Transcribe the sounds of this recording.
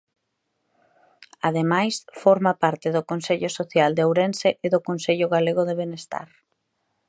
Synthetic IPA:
aðemajsfɔɾmapaɾt̪ɪðʊkonseʎosoθjald̪eowɾenseʔeðʊkonseʎʊɣaleɣoðeβ̞enest̪a̰ɾ

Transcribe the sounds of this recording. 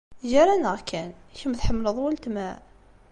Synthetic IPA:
ʒaɾˤænəʁkʰæn | çəmθħəmːləðˤwəlt̪mæ

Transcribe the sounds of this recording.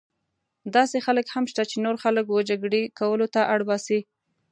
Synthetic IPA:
d̪ɑsexaləkhamʃt̪at͡ʃenoɾxaləkwəd͡ʒaɡɽekawəlot̪aʔaɽbɑsi

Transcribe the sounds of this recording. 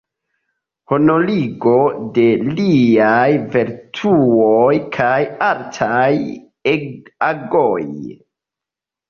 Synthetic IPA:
honoliɡo̞de̞liajveɾtʰuojkʰajaltʰaj | eaɡoj

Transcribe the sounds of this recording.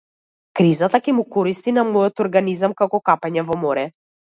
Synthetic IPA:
kɾizat̪akʲɛmukɔɾist̪inamɔjɔt̪ɔɾɡanizamkakɔkapɛɲɛvɔmɔɾɛ

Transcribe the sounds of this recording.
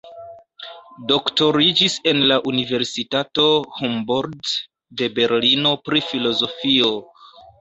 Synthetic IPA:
do̞kto̞ɾid͡ʒise̞nlaʔunive̞ɾsitato̞homboɾdː | e̞be̞ɾlino̞pɾifilo̞zo̞fio̞

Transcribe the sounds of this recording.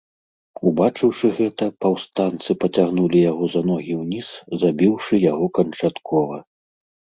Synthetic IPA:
ubat͡ʂɨwʂɨɣɛt̪ɐpɐwst̪ant̪sɨpɐt͡sʲaɣnulʲijaɣɔzɐnɔɣʲiwnʲiszabʲiwʂɨjaɣɔkɐnt͡ʂat̪kʰɔvɐ

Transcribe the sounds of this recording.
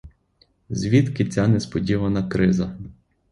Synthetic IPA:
zʲʋʲit̪kɪt͡sʲanɛspɔdʲiʋɐnɐkɾɪzɐ

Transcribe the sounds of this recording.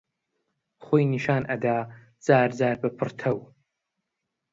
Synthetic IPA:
χʷʊjniʃaːnʔɐdaː | t͡sʼaːrzaːrbɐpʰɨrtʰɐw

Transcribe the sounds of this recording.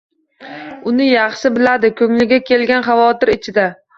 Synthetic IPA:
ʊnɪjɑχʃɪbɪlad̪ɪkʰɵŋlɪɡʲakʲʰe̞lɡʲanχɑvɒt̪ɪɾɪt͡ʃʰɪd̪a

